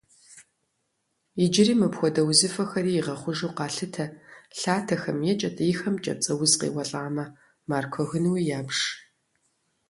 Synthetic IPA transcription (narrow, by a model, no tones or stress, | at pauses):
id͡ʒɪriːmɨpxʷɔdɐwzɨfɐxɐɾiːiʁɐχʷʊʒuːqɑːɬɨtʰɐɬaːtʰɐxɐmjɛt͡ʃʼɐtʰʼjːxɐmt͡ʃʼɐ̰p̚t͡sʼɐwʊzqḛːwɐɬʼaːmɐ | maːrkʷʰɔɣɨnwijaːbʂ